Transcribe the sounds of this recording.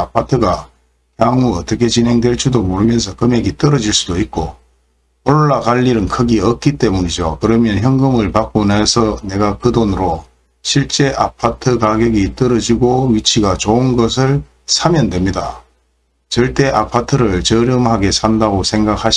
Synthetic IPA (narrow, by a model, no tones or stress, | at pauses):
apʰatʰɯɡa | jaŋuʌt͈ʌkʰe̞t͡ɕinɦe̞ŋdwe̞ɭt͡ɕʰudomoɾɯmjʌns̬ʰʌkɯme̞ɡit͈ʌɾʌd͡ʑiɭs͈udoit̚k͈o | oɭːakaʎːiɾɯnkʰɯɡiʌk̚k͈it͈e̞muɲid͡ʑokɯɾʌmjʌnçjʌŋɡɯmɯɭpak͈̚onesʰʌne̞ɡakɯdonɯɾo | ɕʰiɭt͡ɕ͈e̞ʔapʰatʰɯkaɡjeɡit͈ʌɾʌd͡ʑiɡoɥit͡ɕʰiɡat͡ɕounɡʌs̬ʰɯɭ | sʰamjʌndwe̞mɲida̰ | t͡ɕʌɭt͈e̞ʔapʰatʰɯɾɯɭt͡ɕʌɾjʌmhaɡe̞sʰandaɡosʰe̞ŋɡak̚ʰhaɕ